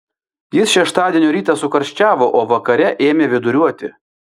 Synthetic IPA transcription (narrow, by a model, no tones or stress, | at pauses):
jɪsʃʲɛʃt̪ɑːd̪ʲiɛnʲuɾʲiːt̪ɑsʊkɐɾʲʃʲt͡ʃʲæːʋoːʔoːʋɐkɐɾʲɛʔeːmʲeːʋʲɪd̪ʊɾʲuɔt̪ʲɪ̰